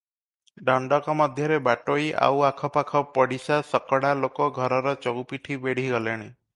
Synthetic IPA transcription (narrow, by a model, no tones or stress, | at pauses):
ɖɔɳɖɔkɔmɔd̪ʱjɔɾebaʈojʔa̰wakʰɔpakʰɔpɔɽisasɔkɔɽalokɔɡʱɔɾɔɾɔt͡ʃɔɡwpiʈʰibeɽ̤iɡɔleɽ̃i